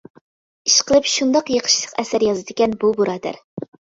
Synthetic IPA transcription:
iʃqəlˠɨpʃund̪ɑqjeqʰə̥ʃlˠə̥qɛsæɾjɑzɨd̪ɪkʲɛnbubuɾɑːd̪æ̰ɾ

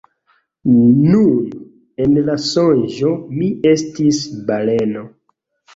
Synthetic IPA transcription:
un | enlasonʒomiestisbaleno̞

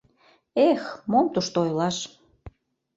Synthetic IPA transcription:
exmomt̪uʃt̪ojlɑʃ

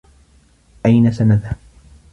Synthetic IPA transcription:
ʔajnasanaðhab

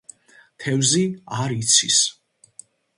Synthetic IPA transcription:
t̪ʰɛvziaɾit̪sʰḭs

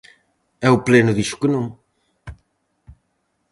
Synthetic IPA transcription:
ɛuplenuðiʃu̥kɨnɐ̃w̃

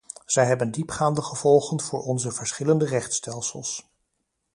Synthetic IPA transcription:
z̥ɛjɦɛbəndipχaːndəχəv̥ɔlˠχənv̥ʊːɹɔnzəvəɹsχɪləndərɛχtstɛlˠsə̰lˠs

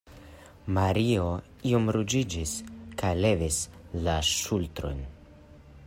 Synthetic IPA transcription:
maɾio | iomɾud͡ʒid͡ʒiskajle̞vislaʃultɾo̞̰n

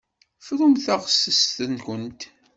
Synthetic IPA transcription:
fɾʊmθaʁsəst̪ənkʷənt̪

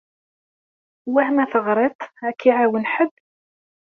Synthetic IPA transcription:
wæhmæθəʁɾˤet̪ˤækːiʕawənħəbː

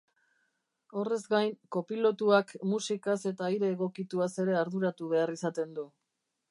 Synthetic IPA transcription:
o̞re̞zɡajnko̞pilo̞t̪uakmusikase̞t̪aiɾe̞ːɣ̞o̞kit̪uase̞ɾe̞aɾðuɾat̪uβ̞e̞arisat̪e̞nd̪u

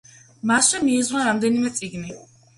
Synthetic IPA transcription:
masʃɛmiːzwnaɾamd̪ɛnimɛt̪sʼiɡni

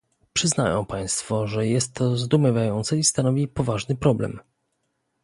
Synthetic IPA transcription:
pʂɘznajɔ̃w̃paj̃st̪fɔʐɛjɛst̪ːɔzd̪umɘvʲjajɔnt̪sɛist̪anɔvʲipɔvaʐnɘpɾɔblɛ̰m

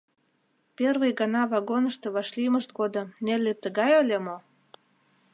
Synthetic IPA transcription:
perβəjɡɑnɑβɑɣonə̆ʃt̪eβɑʃliməʃt̪ɡod̪ɤ̆nelʲːet̪əɣɑjə̆lʲemo

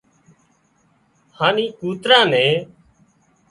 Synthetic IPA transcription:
haːnĩːkuːt̪ɾãːnɛ̃ː

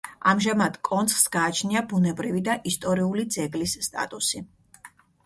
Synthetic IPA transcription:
amʒamad̪̥kʼɔnt̪sʰχsɡaːt͡ʃʰniabunɛbɾivid̪aʔist̪ʼɔɾiulid̪zɛɡlisːt̪ʼa̰t̪ʼusi

